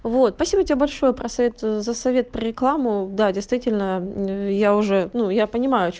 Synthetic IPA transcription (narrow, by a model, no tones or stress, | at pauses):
vot̪spɐsʲibətʲɪbʲebɐlʲʂo̞jəpɾəsɐvʲet̪zəsɐvʲe̞t̪̚pɾəɾʲɪklˠamʊd̪adʲɪjst̪vʲitʲɪlʲnəjaʊʐɛnujapənʲɪmajʊɐt͡ɕ